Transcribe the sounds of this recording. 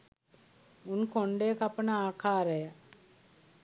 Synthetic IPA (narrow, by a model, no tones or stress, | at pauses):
unkoɳɖeːkɐpːɐnɐaːkaːɾɐjɐ